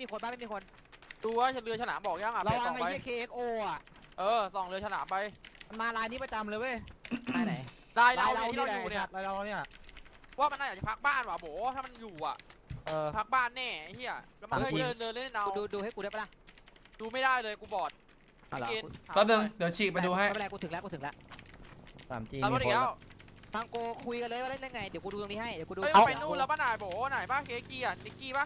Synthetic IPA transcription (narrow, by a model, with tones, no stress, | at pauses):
m˦˥˩miː˧kʰo˧nbaː˥˩ma˥˩mi˧kʰo˧n | duː˧wa˧˥˩t͡ɕa˨˩lɯ˧sʰa˧naː˩˦mbɔː˨˩k̚jaː˥˩ŋʔa˨ɾa˧wa˧˨ŋːa˧a˧jʰkʰeː˧ʔeː˦˥k̚ʔoː˧a˨˩ʔ | ʔɤː˧sɔː˨˩ŋlɯ˧əsʰa˧naː˩˦mpa˧jma˧nmaː˧laː˧jni˦˥pa˧t͡ɕa˧mlɤː˧jwaː˥˩jaː˧jna˨˩j | laː˧jla˦˧jwla˧˦˧wiː˥˨˧uː˧˨˩ni˥˩˨laː˧jla˧˦˥wa˧niː˥˩˨ʔwaː˥˩ma˧nːʔa˧˩jaː˨˩t͡ɕa˨˩pʰa˦˥k̚baː˥˩nwaː˨˩boː˩˦t̪ʰaː˥˩ma˧njuː˨˩ʔa̰˨˩ʔʔɤː˧pʰa˦˥k̚baː˥˩nːɛː˧˩a˧jt̪ʰiː˥˩ʔa̰˨˩ka˧˩ma˨˧˦ɤː˧nlɤː˧le˥˩n˧˩nʔa˧u˧wduː˧duː˧ha˥˩ku˧˥˩la˧˩ʔduː˧ma˥˩daː˥˩jlɤː˧jkuː˧bɔː˨˩t̪̚ | a̰˧˩˨e˧a˨˧ɔː˧˦nɯ˧ŋdi˨˩˦t͡ɕʰiː˨˩pa˧jduː˧ɦa˦˥˩jm˧na˧kuː˧t̪ʰɯ˩˦lɛ˦˥kuː˧t̪ʰɯ˩˦lɛ˦˥ʔ | sʰaː˩˦mt͡ɕi˧˩pʰɔ˧˨˧lɛː˦˥w | fʰa˧ŋkoː˧kʰu˧jka˧nlːjwa˧˩le˥˩nːla˧ŋa˧jdi˨˦wkuː˧duː˧ja˧miː˧˥˩ɦa˥˩jdkuː˧duː˧˨˧pa˧˦nuː˥˩˨lɛː˦˥wbaː˧naː˨˩jboː˨˩˦naː˨˩jbaː˥˩keː˨˧˥kiː˧a˨˩ni˧˥kiː˧˩ba˦˥˩